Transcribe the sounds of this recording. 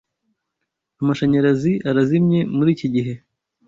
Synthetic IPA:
amaʃaɲaɾaziʔaɾazimɲe̞muɾiːciɟiɦe̞

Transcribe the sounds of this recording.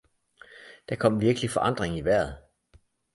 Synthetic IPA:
d̥æ̈kʰɒ̽m̰ʋiɐɡ̥əlifɒ̽ʔɑ̈n̰d̥ʁeŋiʋæɐ̰ð̩ˠ

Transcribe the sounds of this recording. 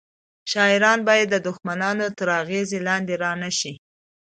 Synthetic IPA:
ʃɑɪɾɑnbɑjad̪ːəd̪ʊxmanɑnot̪əɾɑɣezelɑnd̪eɾɑnaʃi

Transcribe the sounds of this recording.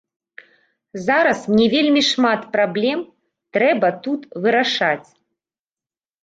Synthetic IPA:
zaɾɐsmnʲɛvʲelʲmʲiʂmat̪pɾablʲɛm | t̪ɾɛbɐt̪ut̪vɨɾaʂat͡sʲ

